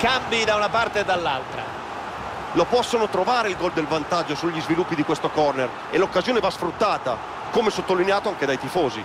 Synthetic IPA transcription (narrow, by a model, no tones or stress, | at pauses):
kambid̪aunapart̪eːd̪alːa̰lt̪ɾa̰ | lopɔsːonot̪ɾovaːɾeilɡɔld̪elvant̪ad͡ʒːosuʎːizvilupːid̪ikwest̪okɔrner | ḛlokːazjoːnevasfɾut̪ːaːt̪a | komesot̪ːolineaːt̪oaŋked̪ajt̪ifoːzḭ